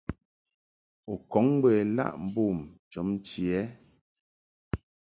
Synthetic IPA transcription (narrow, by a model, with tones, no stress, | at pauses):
u˨kɔ˨˦ŋbwɛ˨la̰˦ʔm̩˨bu˦˨mt͡ʃɔ˨˦m̩˦t͡ʃjɛ˨˦